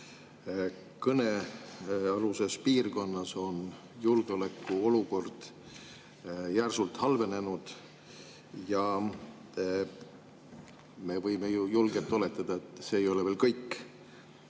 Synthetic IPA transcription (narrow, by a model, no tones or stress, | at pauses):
kɤne̞ | ɑluse̞spiːrko̞nːɑso̞n | julɡ̥eo̞lekˑːuo̞luko̞rd̪̥ | jærsult̪hɑlve̞ne̞nud̪̥ | jɑ | me̞vɤjmejujulɡ̥elt̪ːˑo̞le̞t̪ːˑɑd̪̥ɑet̪ːˑse̞ːjo̞leveːlkɤjkː